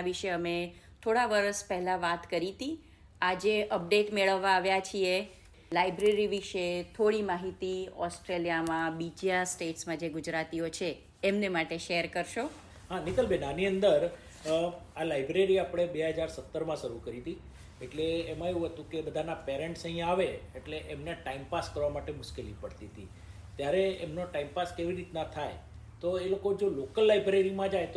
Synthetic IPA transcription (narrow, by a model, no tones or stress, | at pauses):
ʋiʃeəmet̪ʰoɽaʋəɾəspəɦlãʋat̪kəɾit̪i | ad͡ʒeʔəp̚ɖeʈmeɭəʋːãːʋjat͡ʃʰie | lajbɾeɾiʋiʃet̪ʰoɽimaɦit̪iɔsʈɾelijamãbid͡ʒjasʈeʈsmãd͡ʒeɡʊd͡ʒɾat̪iot͡ʃʰeː | mnemaʈeʃeəɾkəɾʃo | ɦãnit̪əlbʱenaniənd̪əɾ | alajbɾeɾiapɽ̃ebeɦəd͡ʒaɾsət̪ːəɾmãʃəɾukəɾit̪i | eʈleːmãeʋũɦət̪ũkebəd̪ʱanapeɾẽɳʈsə̃ɦĩaʋeeʈleʔemneʈaimpaskəɾʋamaʈemʊʃkelipəɽt̪it̪i | t̪jaɾeemnoʈaimpaskeʋiɾit̪nat̪ʰaj | t̪oelokod͡ʒolokəlːajbɾeɾimãd͡ʒajt̪